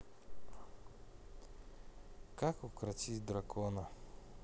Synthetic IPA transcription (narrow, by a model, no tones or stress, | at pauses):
kakokɾɐt̪id̪ɾɐkʰɔnə